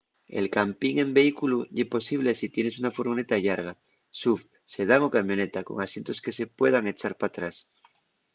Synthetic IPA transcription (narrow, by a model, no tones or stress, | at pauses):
e̞̰lkampiŋe̞mbe̞ikuluʝepo̞siβ̞le̞sit̪je̞ne̞sunafuɾɣonet̪aʎaɾɣ̞a | suf | se̞ð̞aŋokamjo̞ne̞t̪ako̞̰ŋasje̞nt̪o̞ske̞se̞pwe̞ðaŋe̞t͡ʃaɾpat̪ɾas